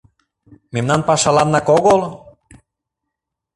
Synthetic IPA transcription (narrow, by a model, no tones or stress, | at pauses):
memnɑnpɑʃɑlɑnːɑkoɣol